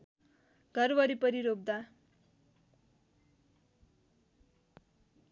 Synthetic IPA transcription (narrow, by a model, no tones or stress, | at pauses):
ɡ̥ʱʌrbʌɾipʌɾiɾob̚d̪a